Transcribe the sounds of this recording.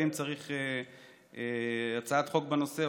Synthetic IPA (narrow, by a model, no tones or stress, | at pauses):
imt͡saʁiχe | eat͡saat̪χo̞k̚beno̞se